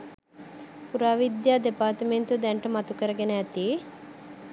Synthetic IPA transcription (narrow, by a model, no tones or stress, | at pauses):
puɾaːʋid̪jaːd̪epaːɾt̪əment̪ud̪ɛɳʈɐmɐt̪ukəɾɐɡenɛt̪i